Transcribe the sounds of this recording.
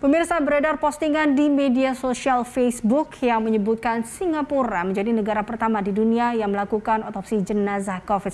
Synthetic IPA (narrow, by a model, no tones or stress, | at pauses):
pəmirsabəɾedarpɔst̪iŋandimediasosialfesbʊkjaŋməɲəbut̪̚kansiŋapuɾaməɲd͡ʒadinəɡaɾapərt̪amadiduniajaŋməlakukanɔt̪ɔpsid͡ʒənazahkɔfɪt̪